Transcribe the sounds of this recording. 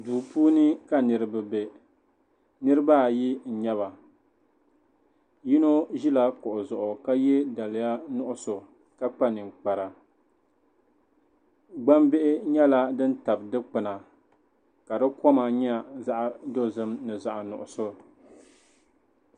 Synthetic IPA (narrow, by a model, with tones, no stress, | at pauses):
duː˨puː˦nɨ˦ka˨nɨ˨ɾɨ˨bɨ˨be˨ | nɨ˦ɾɨ˦ba˦˨ji˦n̩˨ɲɛ˦βa˨ | ji˦no˦ʒi˦la˦kʊ˨ʔʊ˨zʊ˨ʔʊ˨ka˦jɛ˦da˨lɪ˨ja˦nʊ˦ʔʊ˦so˨ | ka˦k͡pa˦nɨ˨ŋ͡mk͡pa˨ɾa˨ | ɡ͡ba˦mbe˦ʔɪ˦ɲɛ˦la˦dɨ˦n˦ta˨bdɨ˦k͡pɨ˨na˨ | ka˨dɨ˦kɔ˦ma˨ɲɛ˦˨za˦ʔdo˦zɨ˦mnɨ˨za˨ʔnʊ̰˨ʔʊ˨so˦